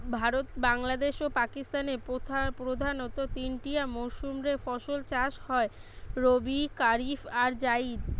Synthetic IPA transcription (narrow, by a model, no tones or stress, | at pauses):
bʱaɾot̪baŋlad̪eʃopakist̪anepot̪ʰapɾod̪ʱanot̪ot̪inʈiamoʃumɾefɔʃolt͡ɕaʃhɔe | ɾobikaɾifaɾd͡ʑaid̪